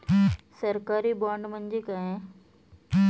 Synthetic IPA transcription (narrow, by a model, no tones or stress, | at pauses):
səɾkaːɾibaːɳɖmə̃ɲd͡ʑikaɦẽ